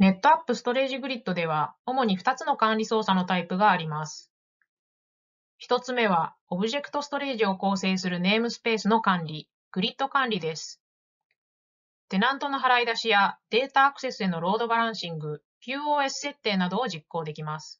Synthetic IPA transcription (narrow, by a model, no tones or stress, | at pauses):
ne̞t̪ːo̞apːɯ̟sɨ̥t̪o̞ɾe̞ːʑiɡɯ̟ɾʲit̪ːo̞d̪e̞β̞ao̞mo̞ɲ̟iɸɯ̟̥t̪at͡sɨno̞kãnɾʲiso̞ːsano̞t̪aipɯ̟ɡaːɾʲimasɨ̥ | çi̥t̪o̞t͡sɨme̞β̞aobɯ̟ʑe̞kɯ̥t̪o̞sɨ̥t̪o̞ɾe̞ːʑio̞ko̞ːse̞ːsɨɾɯ̟ne̞ːmɯ̟sɨ̥pe̞ːsɨno̞kãnɾʲi | ɡ̥ɯ̟ɾʲit̪ːo̞kãnɾʲid̪e̞sɨ̥ | t̪e̞nãnt̪o̞no̞ɦaɾaid̪aɕijad̪e̞ːt̪aːkɯ̟se̞sɨe̞no̞ɾo̞ːd̪o̞baɾãɰ̃ɕĩŋɡɯ̟ | kʲɨ̟ːoːe̞sɨ̥se̞t̪ːe̞ːnad̪o̞ːʑikːo̞ːd̪e̞kʲimasɨ̥